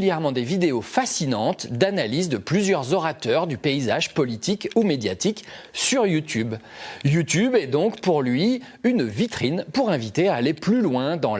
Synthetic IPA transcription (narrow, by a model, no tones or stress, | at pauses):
ljɛʁmɑ̃d̪evid̪eofasinɑ̃t̪d̪analizd̪əplyzjœʁzɔʁat̪œʁd̪ypeizaʒpɔlit̪ikumed̪jat̪iksyʁjut̪ʰybjut̪ybɛd̪ɔ̃kpuʁlɥiynvit̪χinpuʁɛ̃vit̪eaːleplylwɛ̃d̪ɑ̃